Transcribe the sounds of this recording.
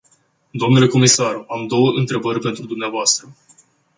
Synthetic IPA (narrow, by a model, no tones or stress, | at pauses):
d̪oomnule̞ko̞misaramd̪o̞wəʔɨnt̪ɾe̞bərʲpe̞nt̪ɾud̪umneavoast̪ɾə